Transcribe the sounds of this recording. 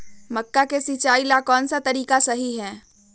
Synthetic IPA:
mɐkːakesit͡ʃaːilakɔːnsat̪ɐɾiːkasɐɦiɦɛ̃ː

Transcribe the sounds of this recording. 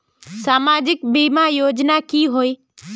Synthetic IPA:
saːmaːd͡ʒɪkbiːmaːjoːd͡ʒnaːkiːɦoiː

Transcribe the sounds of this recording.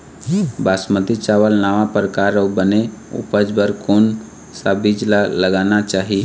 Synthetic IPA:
baːsməd̪it͡ʃaːʋəlnaːʋapɾəkaːɾəbəneṵpəd͡ʒbəɾkoːn | sabid͡ʒlaləɡaːnat͡ʃaːɦi

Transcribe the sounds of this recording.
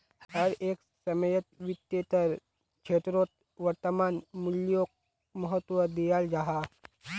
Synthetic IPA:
hhəɾeːk | səməjət̪̚ʋit̪ːet̪əɾ | kt͡ʃʰet̪ɾot̪̚ | ʋəɾt̪əmanmuljok̚ | məɦət̪ʋəd̪ijald͡ʒaɦa

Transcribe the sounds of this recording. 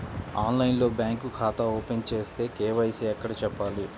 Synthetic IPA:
aːnlɐjnlo̞ːbjaːŋkukʰaːt̪ɐoːpent͡ʃe̞ːst̪e̞ːkeːʋɐjseːɐkːɐɽɐt͡ʃɛpːaːli

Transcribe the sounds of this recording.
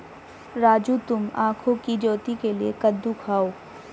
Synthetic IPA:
ɾaːd͡ʒut̪ʊmaːkʰõkid͡ʒoːt̪ikeliḛkɐd̪ːukʰaːoː

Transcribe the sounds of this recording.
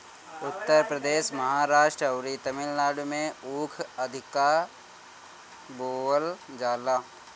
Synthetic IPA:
ʊt̪ːəɾpɾəd̪eːʃmɐɦaːɾaːʃʈɾəɐwɾit̪ɐmɪlnaːɖmẽuːkʰɐd̪ʱɪkaːɾ | boːəld͡ʒaːlaː

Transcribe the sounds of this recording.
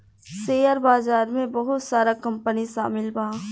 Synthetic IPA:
seːəɾbaːzaːɾmẽbɐɦʊt̪saːɾakɐ̃mpəniʃa̰ːmɪlbʱaː

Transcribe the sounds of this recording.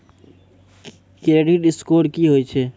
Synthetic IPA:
kɾeɖiɖɪskoːɖkiɦoit͡ʃʰeː

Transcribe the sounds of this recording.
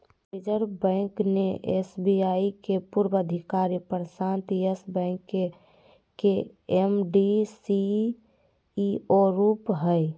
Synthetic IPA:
pid͡ʒəɾbə̃ɪkneʔḛsbiaikepuɾbəd̪ʱikaɾipəɾsãnt̪iesbə̃ɪ̃kːe | ke | emɖisi | oɾupɦə

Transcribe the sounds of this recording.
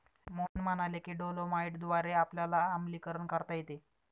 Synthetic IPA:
monmənalekiːɖolomaiʈd̪ʋaɾeapljalaːmliːkəɾəɳkəɾt̪ajet̪e

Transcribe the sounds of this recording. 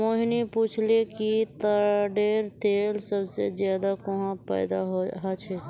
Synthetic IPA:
oːɦnipuːt͡ʃʰlekit̪əɖeːɾt̪eːlsɐbsḛzjaːd̪akoɦãpɛ̰ːd̪aɦoɦat͡ʃʰɛ

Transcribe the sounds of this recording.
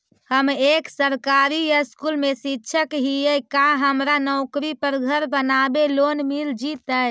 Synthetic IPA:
həmeksəɾkaɾijəskulmesitːt͡ʃʰəkɦijəkaɦəmɾanəʊkɾipəɾɡʱəɾbənabelonmild͡ʒit̪əj

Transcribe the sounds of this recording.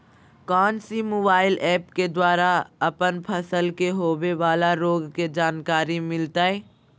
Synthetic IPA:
kɔːnsimoːbaːɪlɛːpked̪waːɾaɐpənpʰɐsəlkeɦoːʋeʋaːlaɾoːɡked͡ʒaːnkaːɾimɪlt̪aːɦɛː

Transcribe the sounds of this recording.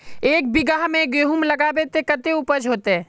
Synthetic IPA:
eːk̚bɪɡaːɦmẽɡeɦumləɡabet̪ekət̪eupəd͡ʒɦoːt̪eɦɛː

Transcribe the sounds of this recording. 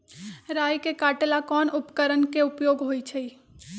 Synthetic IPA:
ɾaːjkekaːʈlakɔːnʊpkəɾənkeʊpjoːɡɦoːit͡ʃʰəi

